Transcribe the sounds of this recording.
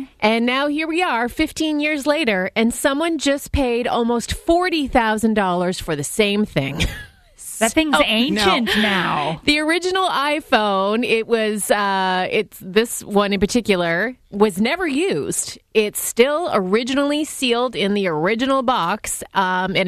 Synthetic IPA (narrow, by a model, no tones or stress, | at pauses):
ʔɨ̃nːaʊhiɹwiə˞fɪftʰĩnjɪɹzleɪɾə˞ʔɨ̃nsʌ̃mwʌ̃nd͡ʒʌspʰeɪɾɔ̰lˠmoʊstfɔɹɾiθaʊzɨ̃n̩dɔlˠə˞z̥fə˞ðɨsẽɪ̃mθɪ̃ŋ | ðɨt̚θɪ̃ŋzẽɪ̃nʃɨ̃nnaʊðiə˞ɪd͡ʒɨnl̩ˠaɪfõʊ̃nɪt̚wʌzʌɪtðɪswʌ̃nɨ̃npə˞tʰɪkjl̩ˠə˞wʌznɛvə˞jʉz̥dɪtstɪlˠə˞ɪd͡ʒɨnl̩ˠisilˠdɪ̃nðiə˞ɪd͡ʒɨnl̩ˠbɑksmɨ̃n